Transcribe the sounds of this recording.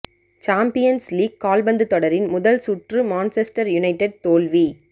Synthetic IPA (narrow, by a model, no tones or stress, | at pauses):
t͡ʃaːmpɪjɐnsliːɡ̚kaːlbɐnd̪ɯt̪ːɔɽɐɾɪnmʊðɐlsʊʈrɯmaːnsɛsʈɐɾjʊnɐɪʈɛɖ̚t̪oːlʋi